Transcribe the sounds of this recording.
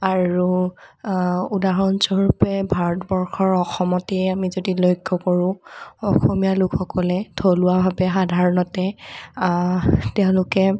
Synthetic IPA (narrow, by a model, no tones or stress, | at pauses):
aɹu | udaɹɔnsɔɹupɛbʱaɹɔtbɔɹxɔɹɔxɔmɔtɛjamizodilojkʰːɔkɔɹʊ̃ɔxɔmijalʊkxɔkɔlɛtʰolʊwabʱabɛxadʱaɹɔnɔtɛ | teʊ̃lʊkɛ